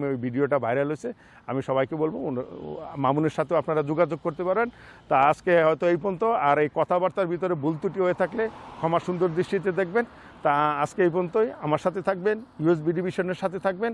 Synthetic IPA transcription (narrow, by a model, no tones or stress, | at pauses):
miojbʱiɖioʈabajɾalojt͡ɕʰe | amiʃɔβajkebolbo | mamuneɾʃat̪ʰeoapnaɾad͡ʑoɡad͡ʑoɡ̚koɾt̪epaɾbent̪aaskeɦɔjt̪oejpont̪oaɾejkɔt̪ʰabaɾt̪aɾbʱit̪oɾebult̪uʈiɦojet̪ʰaklekʰɔmaʃund̪oɾd̪ɾiʃʈit̪̬ed̪ek̚ʰben | t̪aaskeejpont̪ojamaɾʃat̪ʰet̪ʰak̚benjues̬bʱiɖibiʃɔneɾʃat̪ʰet̪ʰak̚ben